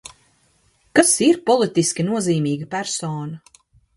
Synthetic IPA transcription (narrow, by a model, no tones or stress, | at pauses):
kasiɾpɔlˠit̪iskʲinuɔziːmiːɡɐpæɾsoːnɐ